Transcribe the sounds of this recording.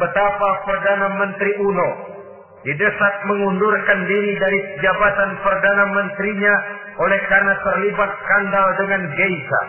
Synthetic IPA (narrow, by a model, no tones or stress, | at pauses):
bət̪apapərdanamənt̪ɾiʔuno | didəsat̪̚məŋundurkandiɾidaɾikəd͡ʒabat̪anpərdanamənt̪ɾiɲa | olɛhkarənat̪ərlibat̪̚skandaldəŋanɡeisa̰